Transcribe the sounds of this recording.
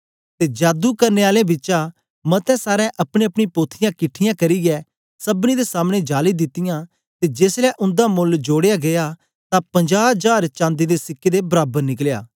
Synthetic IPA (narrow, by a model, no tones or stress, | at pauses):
t̪eːd͡ʒaːd̪ukɐɾneːaːlẽbɪt͡ʃã | mɐt̪ɛ̃ːsaːɾɛ̃ʔɐpɽ̃eɐpɽ̃ĩpoːt̪ʰɪjãkɪʈʰːɪjãːkɐɾiːɡɛː | sɐbñid̪esaːmɽ̃ed͡ʒaːlid̪ɪt̪ːɪjãː | t̪ed͡ʒeːslɛːʔʊ̃nd̪amʊld͡ʒoːɽejaːɡɐja | t̪ãpɐ̃ɲd͡ʒaːd͡ʒaːɾt͡ʃãːnd̪id̪esɪkːeːd̪ebɐɾaːbəɾnɪk̬lja̰ː